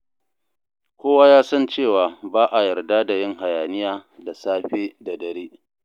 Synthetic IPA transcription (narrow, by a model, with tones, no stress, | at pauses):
kʷoː˦waː˦jaː˦sɐ˦nt͡ʃeː˦˨waː˨baː˦ʔa˨jɐ˨rda˦da˨jɪ˦ŋha˨jaː˨nɪ˦jaː˦da˨saː˦ɸeː˦da˨dɐ˨ɾeː˦